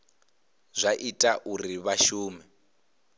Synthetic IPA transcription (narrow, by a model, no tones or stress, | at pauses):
zʷaʔitʼaʔuriβaʃuːmɛ